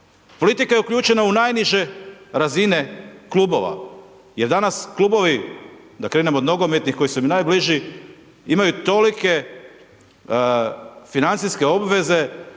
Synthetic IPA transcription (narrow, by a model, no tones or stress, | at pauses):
po̞lit̪ikaje̞ukʎuːt͡ʃe̞naunajniʒe̞ɾazine̞klˠuːbo̞̰ʋa̰ | je̞ɾd̪anasklˠuːbo̞ʋi | d̪akɾeːnemod̪no̞ɡomjet̪nixko̞jisuimnajbliʒi | imajut̪o̞like̞ | finant̪siske̞o̞bʋe̞ze̞